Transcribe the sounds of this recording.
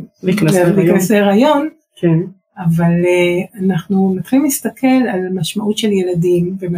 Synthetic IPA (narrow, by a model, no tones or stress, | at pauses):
ikmiknaseʁajo̞n | ke | avalanaχnunat̪χilimlist̪akʰe̞lalmaʃmaʔut̪ʃe̞lje̞ladimvem